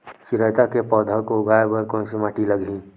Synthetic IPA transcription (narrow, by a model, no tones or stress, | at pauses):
sɪɾəjt̪akepɔːd̪ʱəkoɡaːebəɾkõnsɪmaːʈiləɡʱĩ